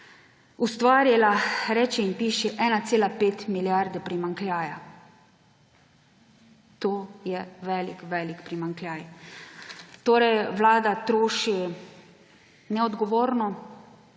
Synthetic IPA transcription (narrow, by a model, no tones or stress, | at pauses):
ust̪ʋaːɾjɛlaɾɛːt͡ʃɛimpiːʃɛʔɛːnat̪seːlapeːt̪miljaɾd̪ɛpɾimaŋkljaːja | t̪oːjɛʋɛːlikʋɛːlikpɾimaŋklʲjaːj | t̪oːɾɛjʋlaːd̪at̪ɾoːʃi | nɛɔd̪ɡɔʋoːɾnɔ